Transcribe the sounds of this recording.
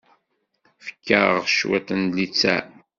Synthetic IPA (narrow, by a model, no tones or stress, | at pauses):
fə̥kːəɾˤʁʃwæ̰t̪ənlit͡sːæ̰